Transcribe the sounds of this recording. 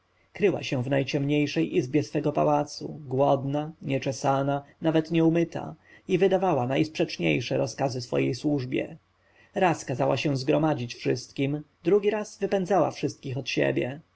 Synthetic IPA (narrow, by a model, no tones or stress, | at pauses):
kɾɘwa̰ɕɛ̃vnajt͡ɕɛmɲejʂɛjʔizbʲjɛsfɛɡɔpa̰wat̪sṵɡwɔd̪naɲɛt͡ʂɛsananavɛt̪ɲɛumɘt̪a̰ivɘd̪avawanajspʂɛt͡ʂɲḛjʂɛɾɔskazɘsfɔ̰jejswuʐbʲjɛ̰ | ɾaskazawaɕɛ̃zɡɾɔmad͡ʑit͡ɕfʂɘst̪kʲim | d̪ɾuɡʲiɾasvɘpɛnzawa̰fʂɘst̪̚kʲixɔt̪ɕɛ̰bʲjɛ̰